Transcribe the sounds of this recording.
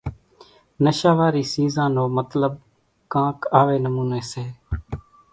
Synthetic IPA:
nəʃaːʋaːɾiːsiːzãːnõːmət̪ləb̚ | kãːkaːʋeːnəmuːneːseː

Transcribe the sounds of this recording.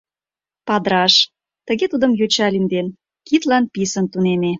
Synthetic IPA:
pɑd̪ɾɑʃ | t̪ə̆ɣet̪ud̪əmjøt͡ɕɑlʲind̪en | kit̪lɑnpisə̆nt̪uneme

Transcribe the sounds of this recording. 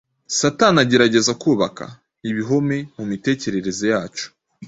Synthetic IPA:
satanaɟe̞ɾaɟe̞zakuːβaka̰ | iβiɦo̞me̞mumite̞ːce̞ɾe̞ɾe̞zojaːt͡ʃo̥

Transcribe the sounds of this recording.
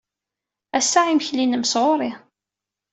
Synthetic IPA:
æsːaʕimçlinəməsʁoɾˤi

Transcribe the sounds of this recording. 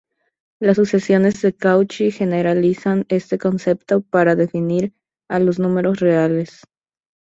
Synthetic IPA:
lasuse̞sjo̞ne̞zðe̞kawt͡ʃixe̞ne̞ɾalisane̞st̪e̞ko̞nse̞pt̪o̞paɾaðe̞finiɾ | alo̞znũme̞ɾo̞sre̞ale̞s

